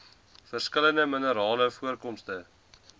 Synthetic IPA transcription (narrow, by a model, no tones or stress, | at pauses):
fərskələndəmənəɾɑːləfuərkɔmstə